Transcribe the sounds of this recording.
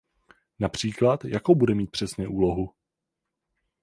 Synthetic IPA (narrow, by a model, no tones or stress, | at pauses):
napr̝̥iːklat̪jakowbudɛmiːt̪̚pr̥ɛsɲɛʔuːlo̞ɦu